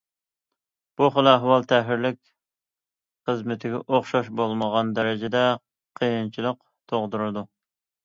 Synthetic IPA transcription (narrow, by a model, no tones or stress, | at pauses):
b̥uχəlˠɑɦwɑlˠt̪ʰɛɦɪɾlɪkʲ | χəzmɪt̪ʰɪɡʲɛ̰ʔoχʃɑʃbolˠməʁɑnd̪ɛɾɛd͡ʒɪd̪ɛ | qʰijint͡ʃʰilˠəq | t̪ʰoʁd̪uɾɨd̪u